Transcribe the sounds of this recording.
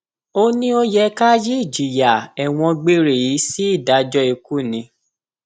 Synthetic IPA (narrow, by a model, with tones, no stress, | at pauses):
o˦nĩ˦o˦jɛ˧ka˦ji˦i˦˨d͡ʒi˨ja˨ɛ˨w̃ɔ̃˧ɡ͡be˦ɾe˨ji˨˦si˦i˦˨da˨˦d͡ʒɔ˦i˧ku˦˨nĩ˨˧˦